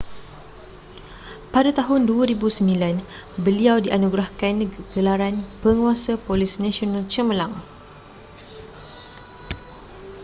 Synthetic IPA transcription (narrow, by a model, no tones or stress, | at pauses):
padat̪aɦʊnduaɾibusəmbilan | bəliawdiʔanuɡɾahkanɡ̥əlaɾanpəŋuasapolisnãsionalt͡ʃəməlãŋ